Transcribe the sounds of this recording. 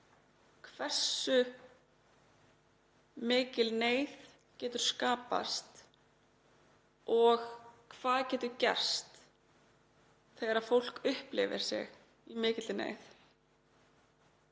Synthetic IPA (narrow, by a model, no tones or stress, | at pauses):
kʰvɛr̥sʏ | mɪːcɪlneːjð | cɛːt̪ʏɾ̥skaːpa̰st̪ | ɔɣkʰvaːðcɛːt̪ʏcɛ̰r̥st̪ | θɛɣaɾaðfowl̥kʏhplɪ̰vɪ̰ɾ̥sɪ̰ɣ | imɪːcɪt̪ɪnḛːjθ